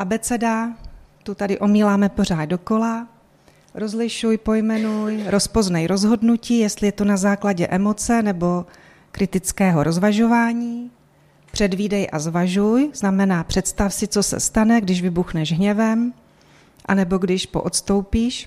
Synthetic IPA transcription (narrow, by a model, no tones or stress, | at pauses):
ʔabɛt͡sɛdat̪ut̪adɪʔo̞miːlaːmɛpo̞r̝aːd̪̚do̞ko̞la | ɾo̞zlɪʃujpo̞jmɛnujɾo̞spo̞znɛjɾo̞zɦo̞dnuciːjɛst̪lɪjɛt̪onazaːklaɟɛʔɛmo̞t͡sɛnɛbo̞ | kɾɪt̪ɪt͡skɛːɦo̞ɾo̞zvaʒo̞vaːɲiː | pr̥ɛdviːdɛjʔazvaʒujz̥namɛnaːpr̝̥ɛt̪st̪afsɪt͡so̞sɛ̰st̪anɛɡdɪʒvɪbuxnɛʒɦɲɛvɛm | ʔa̰nɛbo̞ɡdɪʃpo̞̰ʔot̪st̪o̞wpiːʃ